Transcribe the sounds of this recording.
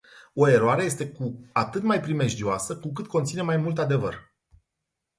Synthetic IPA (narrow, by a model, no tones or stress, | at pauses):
o̞e̞ɾoaɾe̞je̞st̪e̞kuat̪ɨt̪majpɾime̞ʒd̪ioasəkuk̬ɨt̪̚ko̞nt̪sine̞majmult̪ad̪e̞vər